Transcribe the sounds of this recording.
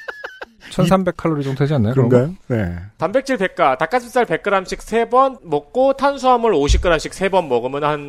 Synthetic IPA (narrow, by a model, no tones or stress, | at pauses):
t͡ɕʰʌnsʰambe̞kʰaɭːoɾid͡ʑʌŋtʰed͡ʑianːajokɯɯɡjonḛtambe̞k̚t͡ɕʰiɭpe̞k̚k͈atak͈asʰɯs͈aɭpe̞k͈ɯɾamɕʰik̚sʰe̞bʌnmʌk̚k͈otʰansʰuamɯɭoɕʰik͈ɯɾamɕʰik̚s͈ʰe̞bʌnmʌɡɯmjʌnhan